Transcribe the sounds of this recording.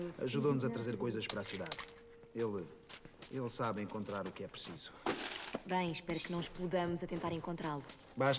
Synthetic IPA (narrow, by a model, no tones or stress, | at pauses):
ɐ̰ʒuðonuzɐt̪ɾɐzeɾkojzɐʃpɐɾasiða̰ð | elˠ | elˠsaβẽŋkõnt̪ɾaɾukɛpɾsiz̥u̥ | bɐ̃j̃ʃpɛɾknɐ̃w̃ʃplˠuðɐmuzɐt̪ẽnt̪aɾẽŋkõnt̪ɾalˠu | baʃ